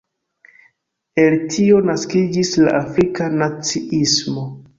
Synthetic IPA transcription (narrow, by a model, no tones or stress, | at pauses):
e̞ltʰio̞naskid͡ʒisla̰ʔafɾikanat͡siismo̞